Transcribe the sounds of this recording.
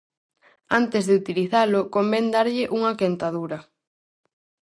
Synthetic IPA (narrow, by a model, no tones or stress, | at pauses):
ant̪ɪzðɪut̪iliθalʊkombɛnd̪aɾʎɪʔuŋɐkent̪aðuɾɐ